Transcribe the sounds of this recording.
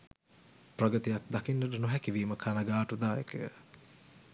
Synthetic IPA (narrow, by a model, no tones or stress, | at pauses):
prɐɡət̪ijak̚d̪akinːəʈənuɦɛkiʋiːməkʰanaɡaːʈud̪aːjḛkəjə̰